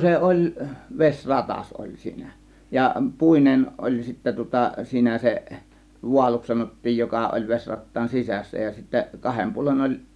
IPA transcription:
se ʔolʲ ʋesʲ rɑtɑs ʔolʲ siːnæ jɑ puˑinen ʔolʲ sitːæ tŭŏtɑ siːnæ se ʋuɑluks sɑnotːiːj jokɑ ʔolʲ ʋesʲrɑtːɑːn sisæsːæ jɑ sitːæ kɑhem puolen olʲ

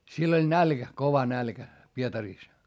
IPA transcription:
sielː olʲ nælkæ koʋɑ nælkæ pietɑriˑs

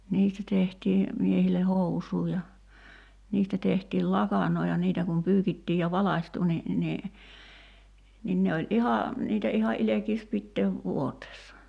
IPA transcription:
niːstæ tehtiː miehile housˑuː jɑ niːstæ tehtiːl lɑkɑnˑoː jɑ niːtæ kum pyːkitːiː jɑ ʋɑlɑsʲtu ni ni nin ne olʲ ʔihɑ niːtæ ihɑ ʔilekiːs pitːeːʋ ʋuoteːsːɑ

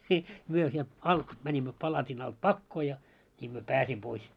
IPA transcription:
nʲi myø sielt ɑlt mænʲimːø pɑlɑtin ɑlt pɑkːoː jɑ nʲiːm myø pæːsim pois

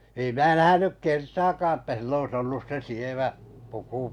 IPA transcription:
ei mæː næhænyk kertɑːkɑː tːæ silː ois olːus se sieʋæ puku

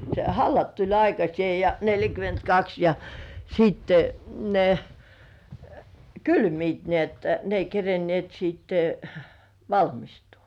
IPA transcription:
se hɑlːɑt tulʲ ɑikɑsĭeˑ jɑ neljækymentkɑks jɑ siːtːe ne kylmiːt ni etːæ ne ei kerenĭeˑt sitːe̥ ʋɑlmistuː

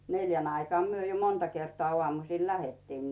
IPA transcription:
neljæn ɑikŏɑˑ myø jo montɑ kertŏɑ ŏɑˑmusiˑl læhetːiːn

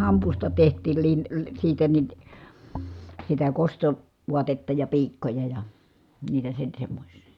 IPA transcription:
hɑmpustɑ tehtˑiːl lin siːtæ nin sitæ kosto ʋuɑtetːɑ jɑ piːkːojɑ jɑ niːtæ sen̞ semːosʲsi̥

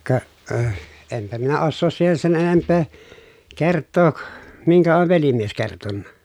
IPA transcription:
kɑ ø empæ minæ osːoːs siːhen sen enempːeː kertːoːk miŋkæ oʋ ʋelimies kertonːɑ

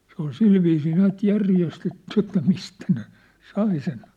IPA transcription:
se ol silʋiːsiː næːt jærjestetːy etːæ mistæ ne sɑi sen

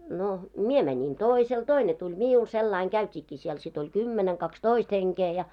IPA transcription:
no mie mænin toˑisel toine tulʲ miul selːɑiŋ ɡ̊æytʲiːkːiː siel sit olʲ kymːeneŋ kɑkstoist heŋkeː jɑ

